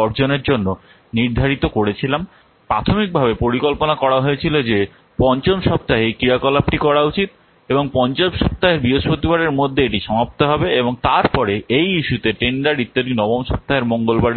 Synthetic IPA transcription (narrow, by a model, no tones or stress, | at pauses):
ɔɾd͡ʑoneɾd͡ʑonːo | niɾd̪ʱaɾit̪okoɽet͡ɕʰilam | pɾat̪ʰomik̚bʱabepoɾikolponakɔɽaɦoet͡ɕʰilod͡ʑe | pɔnt͡ɕomʃɔp̚t̪aɦekɾiɾakɔlapʈikɔɽaut͡ɕit̪̚ | eboŋpɔnt͡ɕomʃɔp̚t̪aɦeɾbiɦoʃpot̪ibaɽeɾmod̪ʱːeeʈiʃɔmapt̪oɦɔbeeboŋt̪aɾpɔɾeejiʃut̪eʈeɳɖaɾit̪ːod̪inɔbomʃɔp̚t̪aɦeɾmoŋɡolbaɾ